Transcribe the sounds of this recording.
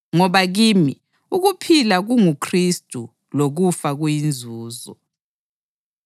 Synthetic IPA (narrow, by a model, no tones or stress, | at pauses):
ŋɔβaɣimi | uɣupʰilaɣuŋukʰristʼu | loɣufaɣujind͡zʱuːzɔ̰